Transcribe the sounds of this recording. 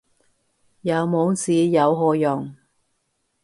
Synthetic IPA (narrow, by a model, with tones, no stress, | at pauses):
jɐ˨˧wmo˨˧˥wt͡siː˨˧jɐ˨˧wɦɔː˧jɔ˨˩ŋ